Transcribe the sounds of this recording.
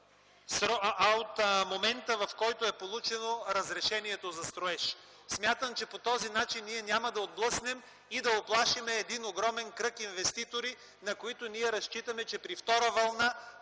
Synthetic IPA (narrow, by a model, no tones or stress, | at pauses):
sɾɔot̪momɛnt̪əvɐfkɔjt̪oɛpolˠut͡ʃɛnoɾɐzɾɛʃɛniɛt̪ozɐst̪ɾoɛʃ | smʲjat̪əmt͡ʃɛpot̪ɔzinat͡ʃinːiɛnʲjamɐd̪ɐod̪̚blˠɤsnɛm | id̪ɐoplˠaʃimɛːd̪inoɡɾɔmɛnkɾɤkinvɛst̪it̪oɾi | nɐkoit̪oniɛɾɐst͡ʃit̪ɐmɛt͡ʃɛpɾift̪ɔɾəvɐlˠna